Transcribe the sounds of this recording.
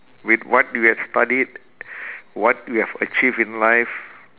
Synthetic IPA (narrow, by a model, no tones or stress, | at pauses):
witwɔt̚juhɛfstadid̚ | wɔt̚juhɛvə̰t͡ʃivĩnlaɪf